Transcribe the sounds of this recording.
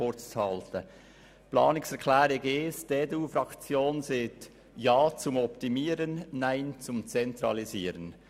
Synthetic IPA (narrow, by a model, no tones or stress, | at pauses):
ʊt͡shɑltə | plɑ̰ːnɪksɛkʰlɛːɾeɡeːsdeːdeuːfɾɑkt͡sjoːnzet | jɑːt͡sʊmɔptimiːɾənːaɪnt͡sʊmt͡sɛntɾɑliziːɾən